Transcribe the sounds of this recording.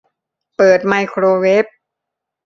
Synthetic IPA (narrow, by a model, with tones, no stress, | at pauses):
pɤː˨˩t̪̚ma˧jkʰɾoː˧we˦˥p̚